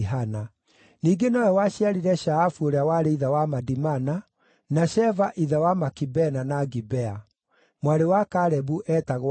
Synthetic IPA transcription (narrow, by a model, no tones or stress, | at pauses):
ɦana | niːɡenɔɛwaɕiaɾiɾɛʃaːfuoɾeawaɾeiðawamadimana | naʃɛvaʔiðawamakibɛnanaɡibɛa | mwaɾewakaɾɛbuʔɛtaɣw